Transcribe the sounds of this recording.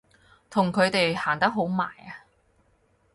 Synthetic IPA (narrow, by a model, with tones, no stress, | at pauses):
t̪ʰʊ˨˩ŋkʰɵ˨˧ɥt̪e˨jhaː˨˩nt̪ɐ˥k̚ɦo˨˥wma̰ː˨˩ja˧